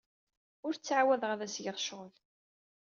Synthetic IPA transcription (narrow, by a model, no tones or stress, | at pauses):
ʊɾt͡sːʕawæðəʁæðæsjəʁʃʁəl